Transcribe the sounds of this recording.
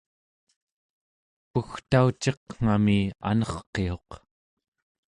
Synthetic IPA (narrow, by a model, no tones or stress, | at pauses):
puxt̪aut͡ʃːeqŋ̥amia̰nʌχqːe̞o̞q